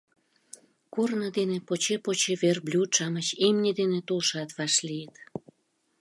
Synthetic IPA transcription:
kornəd̪enepot͡ɕepot͡ɕeβerblʲut̪ʃɑmət͡ɕemnʲed̪enet̪ulʃɑt̪βɑʃlijət̪

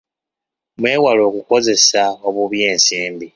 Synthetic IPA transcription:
mwe̞ːwalo̞ːkuko̞ze̞saoβuβjeːnsiːmbi

